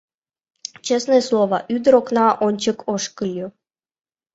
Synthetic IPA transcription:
t͡ɕesnejslˠoʋɑʔyd̪ə̆ɾoknɑʔonʲt͡ɕə̆kʰoʂkəlʲju

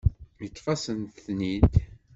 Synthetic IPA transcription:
jət͡sːfɑsənt̪θnid̪

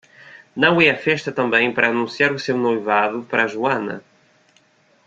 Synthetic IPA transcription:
nɐ̃w̃ɛɐfɛʃt̪ɐt̪ɐ̃mbẽj̃pɐɾɐaːnũsiaɾusewnojvaðupɐɾaʒuɐnɐ̰

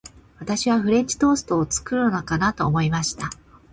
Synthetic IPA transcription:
βat̪aɕiβ̞aɸɯ̟ɾẽ̞ɲ̟t͡ɕi̥t̪o̞ːsɨ̥t̪o̞ːt͡sɨ̥kɯ̟ɾɯnokanat̪o̞ːmo̞imaɕi̥t̪a

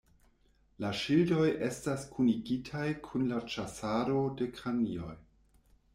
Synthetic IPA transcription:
laʃildo̞jʔe̞staskʰuniɡitʰajkʰunlat͡ʃasaɾo̞de̞kanḭo̞j

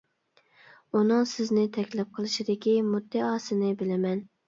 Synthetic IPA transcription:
unɨŋsɪznɪt̪ʰɛkʲlɛp̚qʰəlˠɨʃid̪ɪkʲimud̪ːɪɑːsɨnɪbɪlɪmɛn

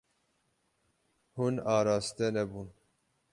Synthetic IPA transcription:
hunɑːɾɑːst̪ɛnɛbuːn

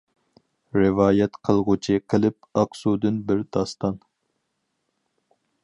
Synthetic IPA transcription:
ɾɨvɑːjɛt̪qʰəlˠʁʊt͡ʃʰiqʰəlɪp̚ɑqsud̪ɨnbɪɾd̪̥ɑst̪ɑn

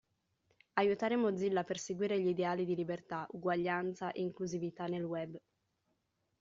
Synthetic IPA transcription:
ajut̪aːɾemod̪zilːapːerseɡwiːɾeʎid̪eaːlid̪ilibert̪aʔuɡwaʎːant̪saʔeiŋkluzivit̪anelwɛbː

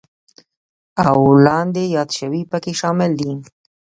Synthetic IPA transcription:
awlɑnd̪ejɑd̪ʃəwipəkeʃɑmɪld̪i

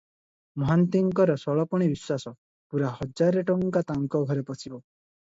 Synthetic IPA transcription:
mɔɦant̪iŋkɔɾɔsɔɭɔpɔɽ̃ibiswasɔ | puɾahɔd͡ʒaɾeʈɔŋkat̪aŋkɔɡʱɔɾepɔsʰibɔ

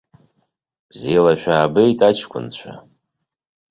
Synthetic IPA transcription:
b̥zelaʃᶣaːbejtʼat͡ʃʰkʷʰʼʊ̰nt͡ɕʷʰa̰

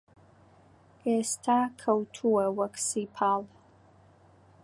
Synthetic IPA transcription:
estʰakʰɐwtʰuwɐwɐksipʰaːl

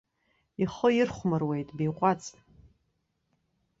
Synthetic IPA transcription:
iχəɪrχʷmɨrwe̞jtʼbijqʷʼat͡sʼ

